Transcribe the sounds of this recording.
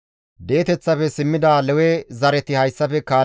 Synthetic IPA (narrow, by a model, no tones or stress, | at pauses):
d̪e̞ːt̪ɛt͡sːɐfɛsɪmːɪd̪aːlɛwɛzɐɾɛt̪ɪhɐjsːɐfɛkaː